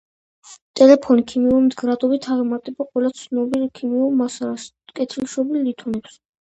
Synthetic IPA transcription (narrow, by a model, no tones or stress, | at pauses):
t̪ʼɛlɛpʰɔnikʰimiuɾmd̪ɡɾad̪ɔbit̪ʰaʁɛmaɾt̪ʼɛbaqʼwɛlˠat̪sʰnɔbilkʰimiuɾmasaɾas | kʼɛt̪ʰilʃɔbilːit̪ʰɔnɛps